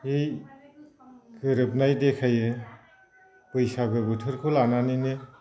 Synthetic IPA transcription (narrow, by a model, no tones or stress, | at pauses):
ej | kɯɾɯp̚najdekʰaje | pɯjsaɡɯbɯtʰɯɾkʰɯlananinɯ